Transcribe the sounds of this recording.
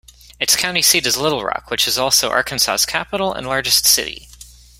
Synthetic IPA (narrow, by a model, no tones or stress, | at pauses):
ɨtskʰãʊ̃ntisiɾɨzlɪɾl̩ˠɹɑ̰kwɨt͡ʃɨzɔlˠsoʊʔɑ̰ɹkɨ̃n̩sa̰skʰæpəɾl̩ˠə̰̃nlɑɹd͡ʒɨstsɪ̰ɾḭ